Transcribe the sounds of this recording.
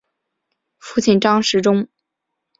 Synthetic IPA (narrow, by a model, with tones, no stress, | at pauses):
fu˥t͡ɕʰi˨˩nʈ͡ʂɑ˥ŋʂɻ̩˧˥ʈ͡ʂʊ˥ŋ